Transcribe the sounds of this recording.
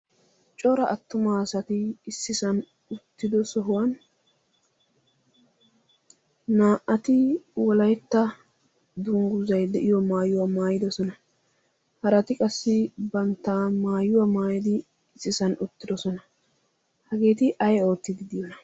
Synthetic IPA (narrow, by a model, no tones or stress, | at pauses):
t͡ʃʼɔɾɐʔɐt̪ːʊmaːsɐt̪ɪːsːɪsɐn | ʊt̪ːɪd̪ɔsɔɦʊwɐn | aːʔɐt̪ɪwɔlɐjt̪ːɐ | d̪ʊŋɡʊzɐjd̪ɛʔɪjɔmaːjʊwamaːjɪd̪ɔsɔnɐ | hɐɾɐt̪ɪkʼɐsːɪbɐnt̪ːaːmaːjʊwamaːjɪd̪ɪː | sːɪsɐnʊt̪ːɪd̪ɔsɔnɐ | hɐɡe̞ːt̪ɪʔɐjo̞ːt̪ːɪd̪ɪd̪ɪjɔnɐ